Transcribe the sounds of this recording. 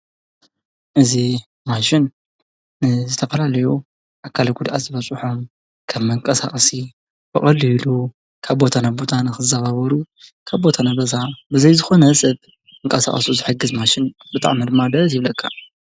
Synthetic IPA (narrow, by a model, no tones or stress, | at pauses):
ʔɨzi | maʃɪn | zɨt̪ʰɐfɐlalɐju | ʔakʰːalɐɡud̪ʔa̰t̪zɨβɐt͡sʼɨħom | kʰɐmːɐŋkʼɐsa̰χʼɐsi | bɨχʼɐlːilu | kʰaβbo̞t̪ʰanabo̞t̪ʰanɨxɨzaβaβɐɾu | kʰaβbo̞t̪ʰanaβɐzabɨzɐjzɨxo̞nɐsʼɐβ | ɨŋkʼɐsa̰χʼɐ̰suzɨħɨɡɨzmaʃɪn | bɨt̪ʼa̰ʕmid̪ɨmːad̪ɐt̪jɪβlɐkʰːa